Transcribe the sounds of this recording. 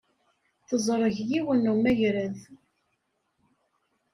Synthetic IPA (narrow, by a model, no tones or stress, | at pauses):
θəzˤɾˤəʝjiwənumæʝɾəð